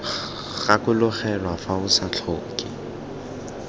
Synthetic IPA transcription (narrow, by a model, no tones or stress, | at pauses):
ɣakʊlʊχɛlwafaʊsat͡ɬʰoːkɪ